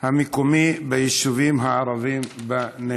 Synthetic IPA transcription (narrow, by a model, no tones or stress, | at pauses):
hamikomibajiʃuviːmɦaɾˤɑviːmbane